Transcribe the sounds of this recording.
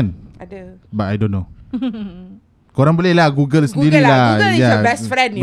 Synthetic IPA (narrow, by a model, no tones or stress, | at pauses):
n | batajdõnːo | koɾaŋbolɛhlahɡuɡəlsəndiɾillajabɛsfɾɛ̃n